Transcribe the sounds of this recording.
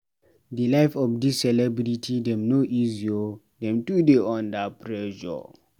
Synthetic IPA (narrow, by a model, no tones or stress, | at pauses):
dilaɪfɔfdisːɛlɛbɾitʰidɛ̃mnoʔizio | dɛ̃mtudeɔ̃ndapʰɹɛʒɔ̰